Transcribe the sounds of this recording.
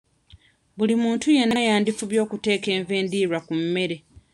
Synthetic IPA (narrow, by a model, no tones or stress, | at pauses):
βulimuːntuje̞najaːndifuβjo̞ːkute̞ːke̞ːɱve̞ːndiːɾwakumːe̞ɾe̞